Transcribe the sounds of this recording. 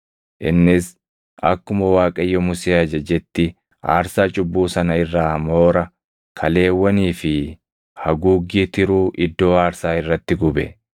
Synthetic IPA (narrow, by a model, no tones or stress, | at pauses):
ʔɪnːɪs | ʔɐ̰kːʊmɐwaːkʼɐjːɔmʊseːɐd͡ʒɐd͡ʒɛt̪ːɪ | a̰ːɾsaːt͡ʃʼʊbːuːsɐnɐɪrːaːmo̞ːɾɐ | kʰɐle̞ːwːɐniːfɪ | hɐɡuːɡːiːt̪ɪɾuːʔɪd̪ːo̞ːaːɾsaːɪrːɐt̪ːɪɡʊbɛ̰